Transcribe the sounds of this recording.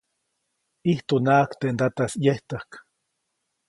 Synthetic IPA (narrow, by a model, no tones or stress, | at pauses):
iht̪unaːkt̪end̪at̪asjeht̪ahk